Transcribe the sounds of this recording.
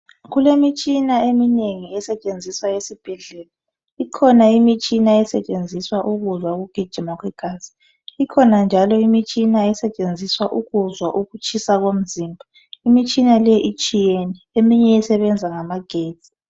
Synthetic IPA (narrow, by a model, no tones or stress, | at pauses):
ɣulemit͡ʃʼinaemineŋiɛsɛt͡ʃʼend͡zʱiswajesib̥ʱɛɮɛːla | ikʰɔnaimit͡ʃʼinaɛsɛt͡ʃʼend͡zʱiswaʔuɣuzwaɣuɡ̥ʱi̥ʒ̥ʱimɔkʰikʰas | ikʰɔnand͡ʒʱalɔimit͡ʃʼinaɛsɛt͡ʃʼend͡zʱiswaʔuɣuzwaʔuɣut͡ʃʰʼisaɣom̩zimbʱa | imit͡ʃʼinalɛʔit͡ʃʼijeniemiɲɛjɛsɛβɛnd͡zʱaŋamaɡ̥ʱeːdt͡sʼi̥